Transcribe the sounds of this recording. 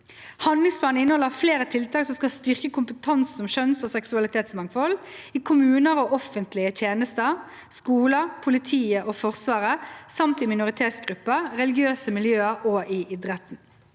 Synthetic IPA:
hɑnd̪lɪŋspʰlɑːnəɪnːəhɔlːəʁfleːɾət̪ʰɪlt̪ɑːksɔmskɑlst̪ʏʁkəkʰʊmpət̪ʰɑnsn̩ɔmʃœnsɔːsɛksʉɑlɪt̪ʰeːt̪smɑŋfɔliːkʰʊmʉːnəɾoːɔfːənt̪lɪət̪ʰjeːnəst̪ə | skuːləpʰʊlɪt̪ʰiːəʔoːfɔʁsʋɑːʁəsɑmt̪ɪmɪnʊʁɪt̪ʰeːt̪sɡʁʉpːəʁɛlɪɡɪøːsəmɪljøːəɾoːʔɪʔɪd̪ʁɛt̪n̩

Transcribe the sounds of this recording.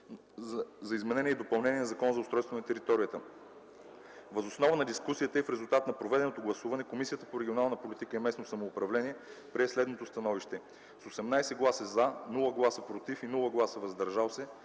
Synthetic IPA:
zɐizmɛnɛniɛid̪opɐlˠnɛniɛnzɐkɔnəzɐʊst̪ɾɔjst̪vonɐt̪ɛɾit̪ɔɾijət̪ə | vɐzosnɔvənɐd̪iskusijət̪əifɾɛzulˠt̪at̪nɐpɾovɛd̪ɛnot̪oɡlˠɐsuvɐnɛkomisijət̪əpoɾɛɡʲionalˠnəpolit̪ikəɛmɛsnosɐmoːpɾɐvlɛniɛ | pɾɛslɛd̪not̪ost̪ɐnɔviʃt̪ɛ | sosɛmnajsɛɡlˠasɛzanulˠəɡlˠasəpɾot̪ifinulˠəɡlˠasəvɐzd̪ɐɾʒalˠsɛ

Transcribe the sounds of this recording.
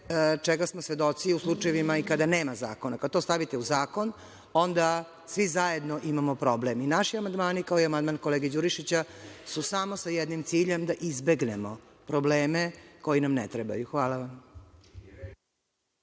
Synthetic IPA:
t͡ʃeɡasmosʋe̞d̪o̞t̪siuslˠuʈ͡ʂajeʋimaikad̪aneːmaza̰ːkonakad̪̚t̪o̞ːst̪aʋit̪euzaːko̞n | o̞nd̪a | sʋizaje̞d̪noʔimamopɾobleminaʃiamand̪maːnikaoiamand̪mankoleːɡed͡ʑuɾiʃit͡ɕasusamo̞sajɛd̪nimt̪siːʎe̞md̪aʔizbe̞ɡnemo | pɾobleːmeko̞jinamnɛ̰t̪ɾeba̰juxʋaːlˠaʋam

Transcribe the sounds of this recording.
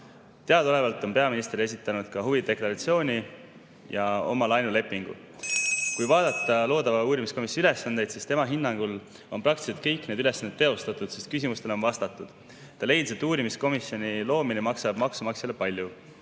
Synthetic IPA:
t̪e̞ɑd̪̥o̞le̞vɑlt̪ːˑo̞npe̞ɑminist̪ɾe̞s̬ʲit̪ːˑɑnud̪̥kɑɦuvid̪̥e̞klɑɾɑt̪sio̞ːnʲi | jɑo̞̰mɑlɑjnule̞pːˑiŋɡ̥ṵ | kujvɑːd̪̥ɑt̪ːˑɑlo̞ːd̪ɑvɑuːɾimisko̞misyle̞sːɑnd̪̥e̞jd̪̥sist̪e̞mɑɦinːɑŋɡ̥ul | o̞nprɑk̚t̪i̥set̪̚kɤjkne̞d̪yle̞sːɑne̞t̪ːeo̞st̪ɑt̪ˑud̪̥se̞st̪̚kysʲimust̪e̞lo̞nvɑst̪ɑt̪ːˑud̪̥ | t̪ɑle̞jd̪set̪ːuːɾimisko̞misːjo̞nilo̞ːminemɑksɑb̥mɑksumɑksilepɑlʲju

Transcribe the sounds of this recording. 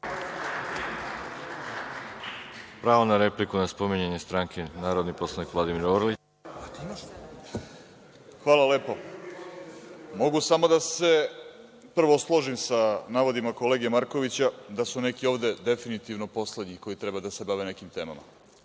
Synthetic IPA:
pɾaːʋonaɾeplikunaspomiɲeɲest̪ɾaŋkʰenaːɾod̪nipo̞slˠanikʋlˠad̪imiɾoɾli | xʋaːlˠale̞ːpo | mo̞ɡusamo̞d̪ase̞ | pr̩ʋo̞slˠo̞ʒimsanaːʋo̞d̪imako̞leːɡijemaɾko̞ʋit͡ɕad̪asune̞kio̞ːʋd̪e̞d̪e̞finit̪iʋnopo̞sled̪ɲiko̞jit̪ɾe̞bad̪ase̞baʋe̞ne̞kimt̪e̞ːma̰ma̰

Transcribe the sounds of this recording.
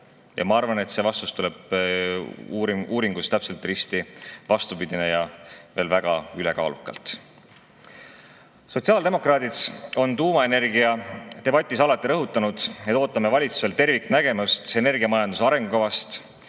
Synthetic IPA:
jɑ̰mɑɑrvɑne̞t̪se̞vɑst̪ust̪ule̞b̥ | uːɾiŋɡ̥ust̪æpse̞lt̪ːˑrist̪ivɑst̪upid̪̥ine̞jɑve̞ːlvæɡ̥ɑyle̞kɑ̰ːlukːˑɑ̰lt̪ˑ | so̞t̪siɑːld̪e̞mo̞krɑːd̪iso̞nt̪uːmɑe̞ne̞rɡiɑt̪e̞bɑt̪ʲːˑisɑlɑt̪ːˑiɾɤɦut̪ˑːɑnud̪̥et̪ːˑo̞ːt̪ːˑɑme̞vɑlʲit̪su̥se̞lt̪e̞rvikːnæɡ̥e̞mɑst̪e̞ne̞rɡiɑmɑjɑnd̪usɑɾe̞ŋɡ̥ukɑvɑst̪

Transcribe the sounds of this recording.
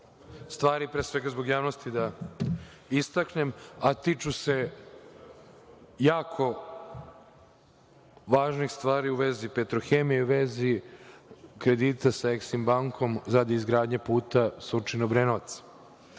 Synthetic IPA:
st̪ʋaːɾipɾeːsʋe̞ɡazbo̞ɡjaːʋnost̪id̪a | ist̪akne̞mat̪it͡ʃuse̞ | jaːkʰo̞ | ʋaːʒnixst̪ʋaːɾiuʋezipet̪ɾoxemijeuʋe̞zi | kɾe̞d̪iːt̪asaeksimbaŋkʰo̞mzad̪iːzɡɾaːd̪ɲepuːt̪asut͡ʃinobɾenot̪sḁ

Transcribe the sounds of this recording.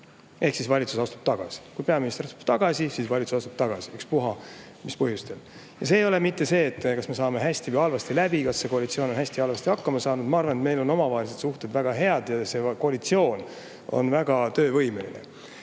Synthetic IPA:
e̞hksisvɑlʲit̪susɑst̪ub̥̚t̪ɑɡ̥ɑ̰si̥kujpeɑminist̪erɑst̪u̥b̥t̪ɑɡ̥ɑsʲisisvɑlʲit̪susɑst̪ub̥̚t̪ɑɡ̥ɑsiykspuɦɑ | mispɤɦjust̪el | jɑseːjo̞lemit̪ːe̞se̞ːt̪ːˑkɑsme̞sɑːme̞ɦæsʲt̪ivəjɑlvɑst̪ilæb̥ikɑsːe̞ko̞ɑlʲit̪sio̞ːno̞nɦæsʲt̪iɑlvɑst̪ihɑkːɑmɑsɑːnud̪̥mɑɑrvɑnet̪me̞jlo̞no̞mɑvɑːelis̬ed̪suht̪e̞d̪væɡ̥ɑɦe̞ɑd̪jɑse̞ko̞ɑlit̪sio̞ːn | o̞̰nvæɡ̥ɑt̪ø̞ːvɤ̞jme̞lḭne

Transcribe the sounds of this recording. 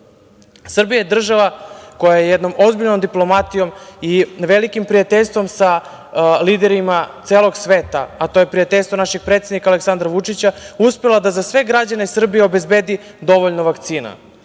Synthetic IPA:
sr̩bijajed̪r̩ʒaʋako̞jajejɛd̪no̞mo̞zbiʎno̞md̪iplˠo̞mat̪ijo̞miʋelikimpɾijat̪eʎʲst̪ʋo̞msa | liːd̪eɾimat̪seːlˠo̞ɡsʋeːt̪a̰ːt̪o̞jepɾijat̪e̞ʎʲst̪vonaʃeɡ̚pɾet̪sjed̪nikaːleksand̪ɾaʋut͡ʂit͡ɕauspelˠad̪azasʋe̞ɡɾad͡ʑanesr̩bijeobezbeːd̪i | d̪o̞ʋoʎnoʋakt̪siːna̰

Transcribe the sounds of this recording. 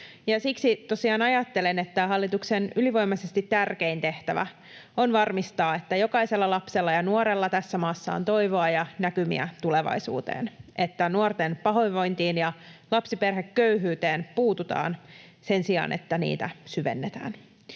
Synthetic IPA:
jɑsiksit̪o̞siɑːnɑjɑt̪ːe̞lenet̪ːæɦɑlːit̪uksenyliʋo̞jmɑsest̪it̪ːærke̞int̪e̞ht̪æʋæ̰ | o̞nʋɑrmist̪ɑːe̞t̪ːæjokɑise̞lːɑlɑpse̞lːɑjɑnuoɾelːɑt̪æsːæmɑːsːɑ̰o̰nt̪o̞iʋo̞ɑjɑnækymḭæ̰t̪uleʋɑ̰jsṵːt̪ḛːnʔe̞t̪ːænuort̪enpɑɦo̞iʋʋo̞jnt̪iːnjɑlɑpsiperɦekːøyɦyːt̪eːnpuːt̪ut̪ɑ̰ːn | se̞nsiɑ̰ːnʔḛt̪ːænḭːt̪æsyʋe̞̰nːet̪æ̰ːn

